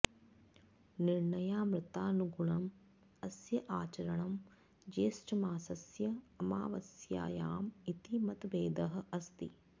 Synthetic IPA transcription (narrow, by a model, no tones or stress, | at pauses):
niɾɳɐjaːmɾɪt̪aːnuɡuɳɐm | ɐsjɐʔaːt͡ʃɐɾɐɳɐm | d͡ʒeːsʈɐmaːsɐsjɐɐma̰ːʋɐsja̰ːjaːmit̪imɐt̪ʋeːd̪ɐɦɐ̆ʔɐst̪ḭ